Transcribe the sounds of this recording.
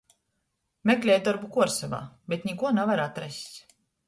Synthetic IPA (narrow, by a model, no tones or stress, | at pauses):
mɛklʲɛjd̪ɔɾbukuɔɾsava̰ːbet̪nʲɛkuɔnavaɾat̪ɾɛsʲ